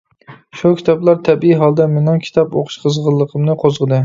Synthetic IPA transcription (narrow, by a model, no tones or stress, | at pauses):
ʃukʲʰi̥t̪ʰɑplˠɑɾt̪ʰɛbiiɦɑlˠd̪ɛmenɑŋkʲʰi̥t̪ʰɑpo̰qʰʊ̥ʃqʰəzʁəlˠːəqʰəmnɨqʰozʁəd̪ɨ